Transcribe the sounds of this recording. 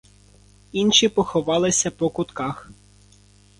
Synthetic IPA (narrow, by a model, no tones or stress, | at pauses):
inʃʲipɔxɔʋɑlˠɪsʲɐpɔkʊt̪kɑx